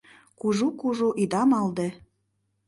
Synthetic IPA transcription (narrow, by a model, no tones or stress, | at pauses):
kuʒukuʒuʔid̪ɑmɑld̪e